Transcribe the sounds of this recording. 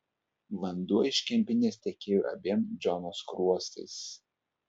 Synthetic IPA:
ʋɐnd̪uɔɪʃʲkʲɛmʲpʲɪnʲeːst̪ʲɛkʲeːjuʔɐ̰bʲiɛmd͡ʒʲɔnoːskɾuɔst̪ɐ̰ɪs

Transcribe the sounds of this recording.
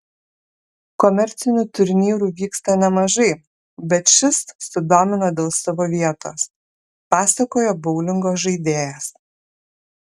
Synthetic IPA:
kɔmʲɛɾʲt̪sʲɪnʲuːt̪ʊɾʲnʲiːɾuːʋʲiːkst̪ɐnʲɛmɐʒɐɪ | bʲɛt̪ʃʲɪssʊd̪oːmʲɪnod̪ʲeːlˠsɐʋoːʋʲiɛt̪o̰ːs | pɑːsɐkoːjobɐʊlʲɪŋɡoːsʒɐɪd̪ʲeːjɛs

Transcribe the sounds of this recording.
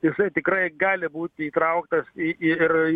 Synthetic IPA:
jɪsɐɪt̪ʲɪkɾɐɪɡɑːlʲɪbuːt̪ʲɪiːt̪ɾɐʊkt̪ɐsiɪɪr

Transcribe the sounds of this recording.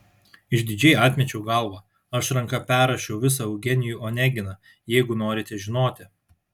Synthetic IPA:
ɪʃd̪ʲɪd͡ʒʲɛɪɑːt̪ʲmʲɛt͡ʃʲɛʊɡɐlˠʋɑ | ɐʃɾɐŋkɐpʲæːɾɐʃʲɛʊʋʲɪs̬ɐɐʊɡʲɛnʲɪjuːoːnʲæːɡʲɪnɐ | jɛɪɡʊnoːɾʲɪt̪ʲɛʒʲɪnoːt̪ʲɪ

